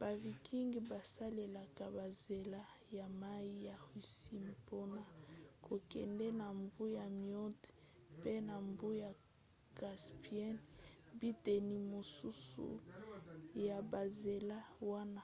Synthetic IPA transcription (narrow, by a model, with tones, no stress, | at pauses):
b̥a˨vi˨kʰi˦ŋɡi˨ba˨sa˦le˨la˨ka˨ba˨ze˨la˦ | ja˨ma˦i˦ja˨i˨si˦m˨po˦na˦˨kʰo˨kɛ̰˨ndɛ˦na˨mbu˦ja˨mjɔ˦t | pe˦na˨mbu˦ja˨ | ɡ̥a˨spi˦ɛ˦nbi˦te˨ni˨mo˨su˦sṵ˨ | ja˨ba˨ze˨la˦wa˦na˦˨